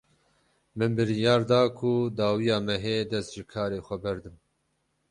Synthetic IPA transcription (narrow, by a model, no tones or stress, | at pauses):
mɨnbɨɾijɑːɾd̪ɑːkʰud̪ɑːwijɑːmɛɦeːd̪ɛst̪ʒɨkʰɑːɾeːxʷɛbɛɾd̪ɨm